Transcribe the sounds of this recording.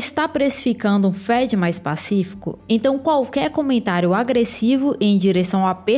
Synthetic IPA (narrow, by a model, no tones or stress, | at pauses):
st̪apɾesi̥fikɐ̃nd̪ʊũfɛd͡ʒɪmajspa̰sifi̥kʊ̰ẽt̪ɐ̃w̃kwawkɛɾkõmẽnt̪aɾjʊaɡɾesivʊʔẽj̃d͡ʒiɾesɐ̃w̃ape